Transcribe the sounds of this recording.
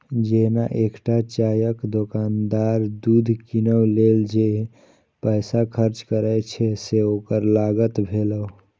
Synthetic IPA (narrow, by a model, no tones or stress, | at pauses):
d͡ʒenaʔekʈat͡ʃajəkd̪okand̪aɾd̪ud̪ʱkinəwleld͡ʒe | pəjsakʰəɾt͡ʃkəɾəjt͡ʃʰɛseokəɾlaɡət̪bʱeləw